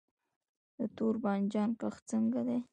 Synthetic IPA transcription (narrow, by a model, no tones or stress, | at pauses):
d̪ət̪oɾbɑnd͡ʒɑnkaxt͡səŋɡad̪e